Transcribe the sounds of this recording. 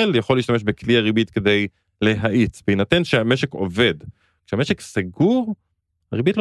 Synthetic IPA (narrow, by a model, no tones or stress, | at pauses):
eljaχoliːʃt̪ameʃbekliaʁibit̪ke̞d̪e̞j | le̞ɦaʔit͡sveinat̪enʃeameʃeko̞̰ve̞d̪ | kʃeame̞ʃeksaɡuʁ | aʁibitl